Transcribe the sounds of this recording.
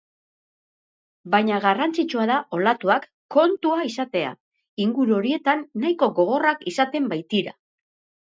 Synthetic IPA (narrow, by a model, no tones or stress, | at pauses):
bajɲaɣarant͡sit͡ʃuaðaʔo̞lat̪uakː | o̞nt̪uaisat̪e̞a̰ | iŋɡuɾuo̞ɾie̞t̪anːajko̞ɣo̞ɣ̞o̞rakisat̪e̞mbajt̪iɾa̰